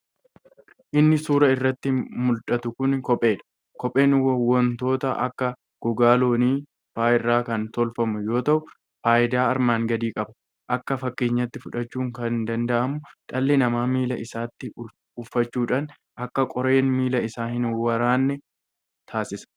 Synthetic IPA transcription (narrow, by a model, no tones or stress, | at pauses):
ʔɪnːɪsuːɾɐɪrːɐt̪ːɪmʊlᶑɐt̪ʊkʊnkɔpʼːe̞ːᶑɐ̥ | kɔpʼe̞ːnwɔnt̪o̞ːt̪ɐʔɐ̰kːɐ | ɡ̥ɔɡaːlo̞ːniː | faːɪrːaːkɐnt̪ɔlfɐmʊjo̞ːt̪ɐʔʊ | faːʔɪd̪aːɐɾmaːŋɡɐd̪iːkʼɐbɐ | ʔɐkːɐfɐkːeːɲːɐt̪ːɪfʊᶑɐt͡ʃːuːŋkɐnnd̪ɐnd̪ɐʔɐmʊᶑɐlːɛnɐmaːmiːlɐʔɪsaːt̪ːɪ | ʊfːɐt͡ʃːuːᶑaːn | ʔɐkːɐkʼɔɾe̞ːnmiːlɐɪsaːhɪnwɐɾaːnːɛ | t̪ʰaːsɪsɐ̥